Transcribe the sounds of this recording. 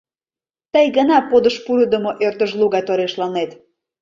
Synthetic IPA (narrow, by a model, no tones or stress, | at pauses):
t̪əjɣənɑpod̪əʃpuɾəd̪əmoʔørt̪əʃluɣɑt̪oɾeʃlɑnet̪